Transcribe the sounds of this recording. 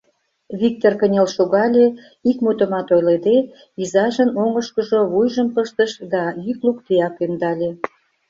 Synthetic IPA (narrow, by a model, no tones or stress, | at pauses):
βik̚t̪orkənʲelʃoɣɑlʲe | ikmut̪ə̆mɑt̪ojled̪e | izɑʒənoŋə̆ʃkəʒoβujʒəmpəʃt̪əʃd̪ɑjyklukt̪eɑkynd̪ɑlʲe